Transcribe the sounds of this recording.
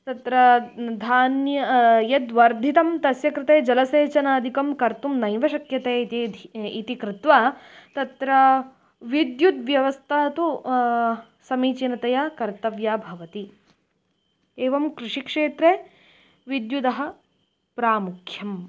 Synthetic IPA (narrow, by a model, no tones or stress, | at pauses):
t̪ɐt̪ɾɐd̪ʱaːnjɐjɐd̪ʋɐɾd̪ʱit̪ɐmt̪ɐsjɐkɾɪt̪eːd͡ʒɐlɐseːt͡ʃɐnaːd̪ʱikɐmkɐɾt̪umnɐjʋɐʃɐkjɐt̪eː | it̪ikɾɪt̪ʋaː | t̪ɐt̪ɾɐ | ʋid̪jud̪ʋjɐʋɐst̪ʰaːt̪u | sɐmiːt͡ʃinɐt̪ɐjaːkɐɾt̪ɐʋjaːbʱɐʋɐt̪i | eːʋɐmkɾɪʂikʂeːt̪ɾeː | ʋid̪jud̪ɐɦɐ̆ | pɾaːmukʰjɐm